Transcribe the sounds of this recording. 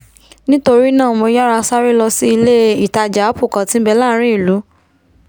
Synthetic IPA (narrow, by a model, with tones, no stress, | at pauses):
nĩ˦to˧ɾi˦nã˦˨mõ˧ja˦ɾa˧sa˦ɾi˦lɔ˧si˦i˧le˦i˨ta˧d͡ʒa˨˦pu˦˨kã˨tĩ˦bɛ˧la˦˨˦ɾ̃ĩ˦i˦˨lu˨˦